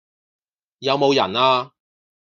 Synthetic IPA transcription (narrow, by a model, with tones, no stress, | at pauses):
jɐ˨˧wmo˨˧wjɐ̰˨˩naː˧